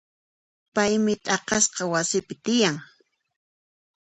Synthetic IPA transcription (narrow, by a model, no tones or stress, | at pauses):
pajmɪt̪ʼɑqɑsqɑwasɪpɪt̪ɪjaŋ